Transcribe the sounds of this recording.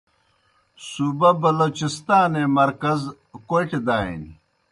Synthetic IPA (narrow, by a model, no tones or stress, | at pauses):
suːbɐbɐloːt͡ɕist̪aːnemɐɾkɐz | kojʈed̪aːḭnḭ